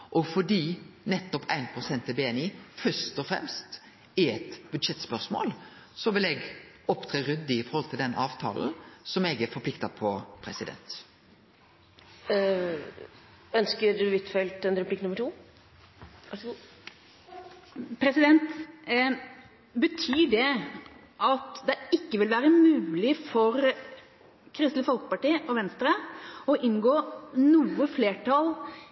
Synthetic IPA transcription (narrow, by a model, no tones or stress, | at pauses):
ʔɔfɔɖ̪iːnɛt̪ːɔpʰæ̰ɪnpʰɾʊsɛnt̪ɪbeːɛniːfœʂt̪ɔfɾɛ̰mst̪ | ɛɛt̪bʉd̪ʂɛt̪spœsmo̰ːl | sɔʋɪlɛːɡ | ɔpt̪ʰɾeːɾʉd̪ːɪɪfɔɾhɔlt̪ʰɪld̪ɛnʔɑːʋt̪ʰɑ̰ːln̩sɔmɛɡæfɔɾpʰlɪkt̪ɑpʰɔpʰɾɛsɪd̪ɛ̰nt̪ | œnskəd̪ʉʋɪt̪fɛlt̪ɛnɾɛpʰlɪkːnʊməʈʰuː | pʰɾɛsɪd̪ɛnt̪ | bət̪ʰyːɖɛ | ʔɑt̪d̪ɛɪkːəʋɪlʋæːɾəmʉːlɪfɔɾ | kʰɾɪst̪ləfɔlkə̥pɑʈiːəʔɔʋɛnst̪ɾəɔʔɪnɡoːnuːəfleːʈʰɑl